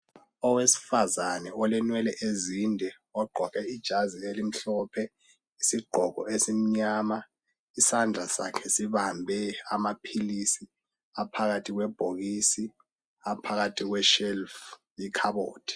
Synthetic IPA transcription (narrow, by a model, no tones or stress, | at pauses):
ɔwesi̥fazanɛɔlɛnwɛlɛʔezindʱɛ | ɔɡ͡ǃʱɔkʰɛid̥ʒ̥ʱazielim̩ɬɔːpʰɛ | isiɡ͡ǃʱɔkɔ̰esim̩ɲama | isand͡ɮʱasa̰kʰɛsiβambʱɛamapʰilisi | apʰaɣatʰiɣ̬wɛb̥ʱoɣisi | apʰaɣatʰiɣ̬wɛʃɛlf | jikʰaβɓo̰ːd̥ʰi̥